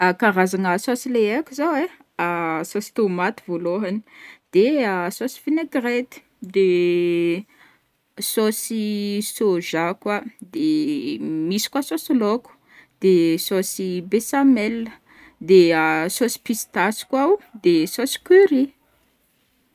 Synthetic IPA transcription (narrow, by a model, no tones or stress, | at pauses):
akaɾazanəsosileekʲuzawe | asosi̥t̪omat̪ivoloɦani̥d̪̥easosi̥fineɡret̪i̥ | d̪e | sosisoʒakwad̪e | misi̥kwasosiloku̥ | d̪̥esosibesamɛlːə | d̪easosi̥pist̪asi̥kwawd̪esosi̥kyɾi